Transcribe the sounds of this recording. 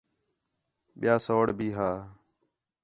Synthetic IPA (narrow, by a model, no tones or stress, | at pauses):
ɓɪjaːsoːɽbʱiːɦaː